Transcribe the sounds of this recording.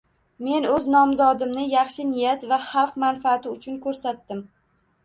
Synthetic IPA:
me̞nɵznɒmzɒd̪ɪmnɪjɑχʃɪnɪjat̪vaχɑlˠqmanfaːt̪ɪʊt͡ʃʰʊnkʰɵɾsat̪ːɪm

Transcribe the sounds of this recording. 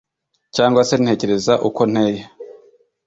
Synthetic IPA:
caːŋɡwase̞n̥he̞ːce̞ɾe̞zaʔuko̞n̥he̞ːje

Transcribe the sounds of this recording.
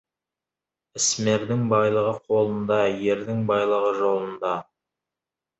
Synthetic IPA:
ɪsme̞ɾd̪ɪŋbɑjlˠəʁəqʰo̞lˠənd̪ɑje̞ɾd̪ɪŋbɑjlˠəʁəʒo̞lˠənd̪ɑ

